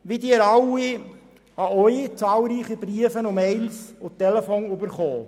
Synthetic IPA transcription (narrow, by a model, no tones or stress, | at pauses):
ʋid̪iəɾɑwi | ɑœʏit͡sɑːlˠɾiːχib̥ɾiəfənʊmeɪlsʊtɛlɛfonybəɾχɔː